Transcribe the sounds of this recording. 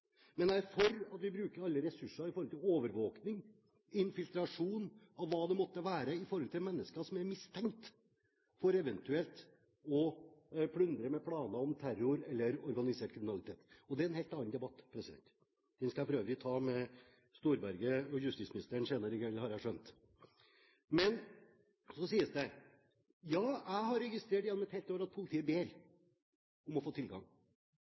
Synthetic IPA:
mɛnd̪æɾfɔɾɑt̪ʋɪbɾʉːkəɾɑlːəɾɛsʉʂɑɪfɔɾɔlt̪ʰɪloːʋəɾʋoːknɪŋ | ɪnfɪlt̪ɾɑʂuːn | ɑʋːɑːd̪ɛmɔt̪ːəʋæːɾəɪfɔɾhɔlt̪ʰɪlmɛnːəskɑsɔmæɾmɪst̪ʰɛŋkt̪ | fɔɾɛʋɛnt̪ʉɛlt̪ | ɔpʰɽʉnd̪ɾəmɛpʰɽɑːnɑɔmt̪ʰæɾʊɾɛlːəɾɔɾɡɑnɪseːʈ̚kʰɾɪmɪnɑlɪt̪ʰeːt̪ɔd̪ɛɛnhɛɪlt̪ɑnnd̪ɛbɑt̪ːpʰɾɛsɪd̪ɛ̰nt̪ | d̪̥ɛnskɑæpɔɾøːʋəɾɪt̪ʰɑːmɛ | st̪uːɾbæɾɡəɔjʉst̪iːsmɪnɪst̪əɳseːnəɾɪkɛlhɑɾæʂœnt̪ | mɛn | sɔsiːəsd̪ɛ | jɑːæɪhɑɾɛɡɪst̪ɾeːʈjɛnːɔmɛt̪hɛɪlt̪oːɾɑt̪̚pʰʊlɪt̪ʰiːəbeːɾ | ʊmɔfoːt̪ʰɪlɡɑ̰ŋ

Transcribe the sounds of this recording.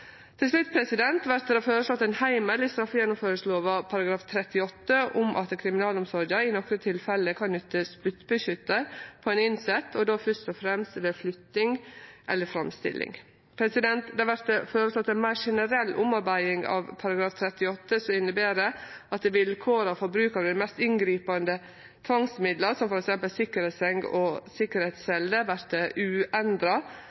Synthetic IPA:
t̪ʰɪlslʉt̪ːpʰɾɛsɪd̪ɛnt̪ʋæɾt̪̚d̪ɛhɑføːɾəslɔt̪ːɛnhæɪməlɪst̪ɾɑfjɛnːʊmføːɾəsloːʋɑpʰɑɾɑɡɾɑːft̪ʰɾɛt̪ɪɔt̪ːəʔʊmʔɑ̰t̪d̪kʰɾɪmɪnɑːlɔmsɔɾəɪnɔkɾət̪ʰɪlfɛlːəkʰɑnnʏt̪ːəsp̪ʉt̪bəçʏt̪ːəɾpʰɔɛnɪnsɛt̪ʰːɔd̪oːfœʂt̪ɔfɾɛmst̪ʋeːflʏt̪nɪŋʔɛlːəfɾɑmst̪ɪ̰lʔɪ̰ŋ | pʰɾɛsɪd̪ɛnt̪d̪ɛhɑɾʋæɾt̪əfɔːɾəlsɔt̪ːɛnmæɪʂɛnəɾɛlːʔʊmɑɾbæɪɪŋɑ̰ʋpʰɑɾɑɡɾɑːft̪ʰɾɛt̪ɪɔt̪ːəsɔɪnːəbeːɾəɑt̪̚d̪ʋɪlkʰoːɾɑfɔɾbɾʉːkɑɾd̪ɪmɛst̪ɪŋɡɾiːpɑnd̪ə | t̪ʰʋɑŋsmɪd̪ləɾsɔmfɔɾɛksɛmpəlsɪkːəɾɛt̪sɛŋɡɔsɪkːəɾhɛːt̪sɛld̪əʋæɾt̪əʔʉːɛnd̪ɾɑ

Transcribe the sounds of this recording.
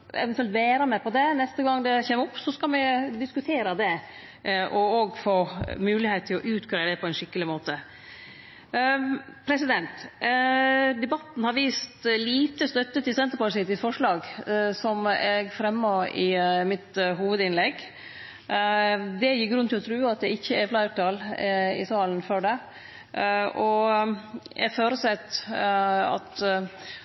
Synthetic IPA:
ɛ̰ʋɛnt̪ʉɛlt̪ʋeːɾɑmɛpʰɔd̪ɛnɛst̪əɡɑŋːd̪ɛçɛmʊpːsɔskɑlmɛd̪ɪskʉt̪ʰeːɾɑd̪ɛ | ʔɔoɡfoːmʉːlɪheɪt̪ʰːɪlɔʔʉːt̪kʰɾæd̪ɛpʰɔɛnʂɪkːəlɪmoːt̪ə | pʰɾɛsɪd̪ɛnt̪ | d̪ɛbɑt̪ːn̩hɑɾʋiːst̪liːt̪əst̪œt̪ːət̪ʰɪlsɛnt̪əpɔsɪt̪ɪsfɔʂɭɑːɡsɔmɛɡfɾɛmːoːɪmɪt̪ɦuːʋəd̪ɪnlɛɡ | d̪ɛjɪɡɾʉnɪlɔt̪ʰɾʉːɑt̪̚d̪ɛɪçːəɛflɑɪt̪ɑlɪ̰sɑːlənfɔɖɛ | ʔɔ | jæ̰ɡføːɾəsɛt̪ː | ɑ̰t̪

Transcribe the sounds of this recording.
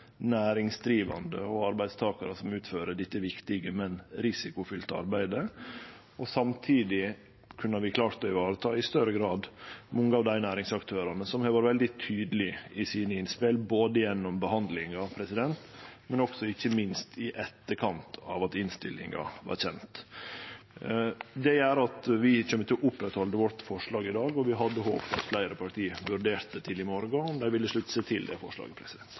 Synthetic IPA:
næːɾɪŋsd̪ɾiːʋɑ̰nd̪ə̰ɔɑɾbæɪd̪st̪ʰɑːkɑɾəsɔmʉːt̪føːɾəɖɪt̪ːəʋɪkt̪ɪɡəmɛnɾɪsɪkʊfʏlt̪əɑ̰ɾbæɪd̪ə | ɔsɑmt̪ʰiːd̪ɪ | kʰʉnːɑɾʋɪkʰlɑːɾt̪ɔɪʋɑːɾət̪ʰɑːɪst̪œɾəɡɾɑːd̪mɔŋːəɑːʋd̪æɪnæːɾɪŋsɑkt̪ʰøːɾɑnəsɔmhɑʋɑːɾʋɛld̪ɪt̪ʰyːd̪əlɪɪsiːnəɪnspɛlboːd̪əjɛnːɔmbəhɑnd̪lɪŋɑpʰɾɛsɪd̪ɛnt̪mɛnɔksɔɪçːəmɪnst̪ʰɪʔɛt̪ːəkʰɑnt̪ʰɑ̰ʋɑt̪ɪnst̪ɪ̰lːɪ̰ŋɑ̰ʋɑ̰ɾçɛnt̪ | d̪ɛæɾɑt̪ʋɪc͡çœmːət̪ɪlʔʊpɾɛt̪hɔld̪əʋɔʈfɔʂɭɑːɡɪd̪ɑːɡɔʋɪɦɑd̪ːəɦo̰ːpfʰɑ̰t̪flæɪɾəpʰɑʈ̪ʰiːʋʉɾɖeːɾt̪̚d̪ət̪ʰɪlɪmɔɾɡɑɔmd̪æɪʋɪləʂɭʉt̪ːseːt̪ʰɪld̪ɛ̰fɔ̰ʂlɑ̰ːɡəpʰɾɛsɪd̪ɛnt̪

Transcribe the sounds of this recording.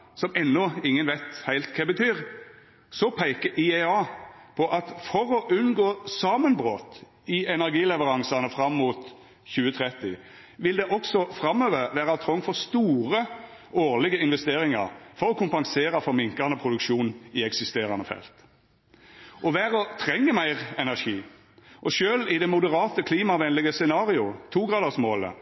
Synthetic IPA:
sɔmɛnːɔɪŋːənʋæɪt̪hæɪlt̪kʰɛbət̪ʰyːʁ | sɔpʰæɪkəʔɪɛɑːpʰɔʔɑt̪fɔɾɔʔʉnɡoːsɑːmənbʁoːt̪ | ɪɛnæʁɡiːlɛʋəɾɑŋsɑnəfʁɑmːuːt̪ | çʉːət̪ʰʁɛt̪ɪ | ʋɪld̪ɛʔɔksɔfɾɑmːøːʋəʁʋæːʁɑt̪ʰʁɔŋfɔʁst̪uːʁə | oːʁlɪɡəɪnʋɛst̪eːʁɪŋɑʁfɔʁɔkʰʊmpɑŋseːʁɑfɔɾmɪŋkɑnəpʰʁʊd̪ʉkʃuːnɪɛksɪst̪eːʁɑnəfɛ̰lt̪ | ʔɔʋæːʁɔt̪ʰʁɛŋːəmæɪʁɛnæʁʂiː | ʔɔʃøːlɪd̪ɛmʊd̪əʁɑːt̪əkʰliːmɑʋɛnlɪɡəsɛnɑːʁɪʊt̪ʰuːɡʁɑːd̪əʁsmoːlə̰

